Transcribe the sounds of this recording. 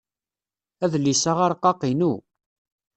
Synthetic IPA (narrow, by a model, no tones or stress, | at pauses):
æðlːisaʁaɾqːɑqinu